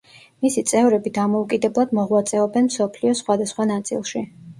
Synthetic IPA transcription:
misit̪sʼɛvɾɛbid̪amɔukʼid̪ɛblˠad̪mɔʁwat̪sʼɛɔbɛnmsɔpʰliɔsχwad̪asχwanat̪sʼḭlˠʃi

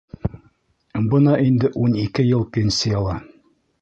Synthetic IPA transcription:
bɤnɑʔind̪ɘʔunikɘjɤlˠpʲensɘjɑlˠɑ

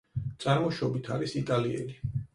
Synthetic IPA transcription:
d̪z̥aɾmuʃɔbit̪ʰaɾisit̪ʼaliɛ̰li

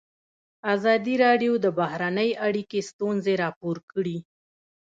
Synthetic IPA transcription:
azɑd̪iɾɑɖjod̪əbahɾanəjʔaɽikest̪unzeɾɑpoɾkəɽi

